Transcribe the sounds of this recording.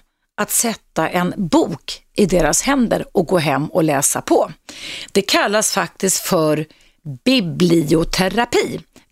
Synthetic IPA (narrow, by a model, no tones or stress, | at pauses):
ʔat̪sɛt̪ːaʔɛnbuːkʔɪd̪eːɾashɛnd̪ə̰ɾɔk̚ɡoːɦɛmːɔlɛːsapʰɔd̪̥ɛkʰalːasfak̚t̪ɪsk̪fœɾ | bɪblɪʊt̪ʰɛɾapʰiː